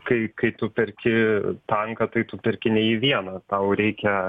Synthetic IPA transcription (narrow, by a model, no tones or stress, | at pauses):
kɐɪkɐɪt̪ʊpʲɛɾʲkʲɪt̪ɐŋkɐt̪ɐɪt̪ʊpʲɛɾʲkʲɪnʲɛiːʋʲiɛnɐt̪ɐʊɾʲɛɪkʲɛ